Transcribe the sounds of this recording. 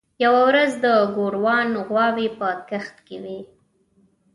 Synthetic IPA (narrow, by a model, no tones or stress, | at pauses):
jawawɾazd̪əɡoɾwɑnɣwɑwepəkaxt̪kewi